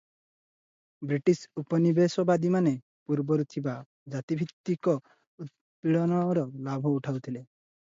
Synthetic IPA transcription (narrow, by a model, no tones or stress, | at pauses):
bɾiʈisupɔnibesɔbad̪imane | puɾbɔɾut̪ʰiba | d͡ʒat̪ibʱit̪ːikɔ | ut̪̚ | piɭɔnɔɾɔlabʱɔuʈʰawt̪ʰile